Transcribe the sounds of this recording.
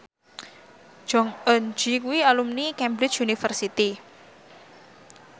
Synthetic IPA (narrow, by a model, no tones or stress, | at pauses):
d͡ʒ̥ɔŋənd͡ʒikuwialumnikɛmbɾɪ̥t͡ʃunifərsit̪i